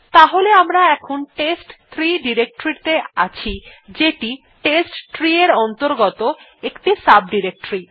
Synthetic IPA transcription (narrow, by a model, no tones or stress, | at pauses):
t̪aɦoleamɾaɛkʰonʈesʈt̪ʰɾiɖiɾek̚ʈoɾiɾt̪ea̰t͡ɕʰid͡ʑeʈi | ʈesʈt̪ɾieɾɔnt̪oɾɡɔt̪o | ekʈisab̚ɖiɾek̚ʈoɾi